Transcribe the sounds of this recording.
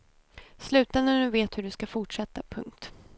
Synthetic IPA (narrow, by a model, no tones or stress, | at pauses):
slʉ̟ːt̪anənʉ̟ːveːt̪hɵɖɵskafʊʈʂɛt̪ːapʰɵ̰ŋk̚t̪